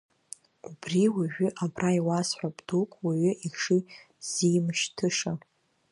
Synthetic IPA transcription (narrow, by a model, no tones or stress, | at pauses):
ubriwiʒᶣʷʏʔabraiwasħʷᶣabdukʼwiʕʷʏʔiʂi | z̥ijmʃtʰɨʂa